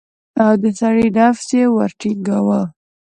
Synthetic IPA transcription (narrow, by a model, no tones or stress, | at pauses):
awd̪əsaɽiɖafsewaɾʈiɡawa